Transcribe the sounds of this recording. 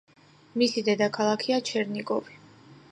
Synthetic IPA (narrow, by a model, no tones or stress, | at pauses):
misid̪ɛd̪akʰalˠakʰiat͡ʃʰɛɾnikʼɔvi